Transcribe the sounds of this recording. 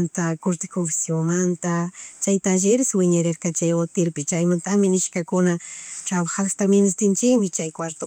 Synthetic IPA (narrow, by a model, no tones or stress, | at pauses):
nt̪akʊɾt̪ɪkofɪ̥sjoŋmant̪at͡ʃajt̪anʒɪɾɪswɪɲaɾeɾkɑt͡ʃajot̪ɪɾpɪt͡ʃajmant̪amɪnɪʃkakʊnaʈ͡ʂaβaxast̪amɪnɪst̪ɪnt͡ʃɪkmɪt͡ʃajkwaɾt̪o